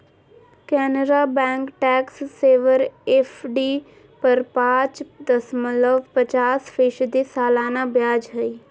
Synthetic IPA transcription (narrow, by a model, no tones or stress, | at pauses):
kɛːnəɾaːbɛ̃ːŋkʈɛːksːeːʋəɾeːfʰɖiː | pəɾpãːt͡ʃd̪əsmələʋpət͡ʃaːsfʰeːʃd̪esaːlaːnabjaːd͡ʒɦəiː